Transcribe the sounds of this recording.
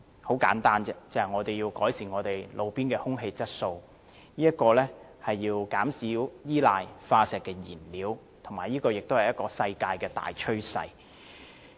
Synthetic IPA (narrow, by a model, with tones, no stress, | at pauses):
ho˨˥wkaː˨˥nt̪aː˥nt͡sɛː˥t͡sɛ˨ŋɔː˨˧t̪e˨jji˧wkɔː˨˥jsiː˨˩nŋɔː˨˧t̪e˨jlo˨˧wpiː˥nkɛː˧hʊ˥ŋɦe˧jt͡sɐ˥t̚so˧w | niː˥jɐ˥t̚kɔː˧lɛː˥ | hɐ˨jːiː˧wkaː˨˥msiː˨˥wjiː˥laː˧jfaː˧sɛː˨kːɛː˧jiː˨˩nliː˨˥w | t̪ʰʊ˨˩ŋmaː˨˩jiː˥kɔː˧jɪ˨k̚t̪o˥whɐ˨jɐ˥t̚kɔː˧sɐ˧jkaː˧jkɛː˧t̪a̰ː˨jt͡ʃʰɵ˥ɥsɐ̰˧j